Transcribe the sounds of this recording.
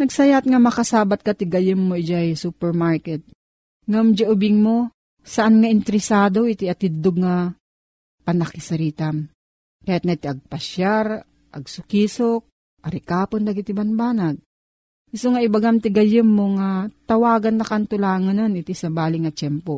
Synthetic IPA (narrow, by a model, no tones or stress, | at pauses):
nɐɡsɐjat̪̚ŋamɐkasaːbat̪̚kɐt̪ɪɡɐjɪmːoɪd͡ʒajsuːpɛɾmaɹkɛt̪̚ | ŋamd͡ʒaʔʊbɪŋmo | sɐʔanŋaʔɪnt̪ɛɾɪsaːd̪oʔit̪iɐt̪ɪdd̪oɡ̚ŋa | pɐnɐkɪsɐɾiːt̪am | kɐjat̪̚naʔit̪iʔɐɡ̚pɐʃjaɾ | ʔɐ̰ɡ̚sʊkiːsok̚ | ʔɐɾɪkaːpond̪ɐɡɪt̪ɪbanbaːnaɡ̚ | ɪsoŋaɪbaɡamt̪ɪɡɐjɪmːoŋat̪ɐwaːɡɐnːɐkant̪ʊlaːŋɐnonɪt̪isɐbaːlɪŋɐt͡ʃɛmpo